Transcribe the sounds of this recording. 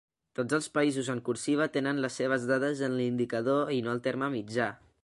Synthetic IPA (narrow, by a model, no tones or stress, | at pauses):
t̪od͡zəlˠspəizuzəŋkuɾsiβ̞ət̪enənləsːeβ̞əzðaðəzənlind̪ikəð̞oinoəlˠt̪eɾməmid͡ʒa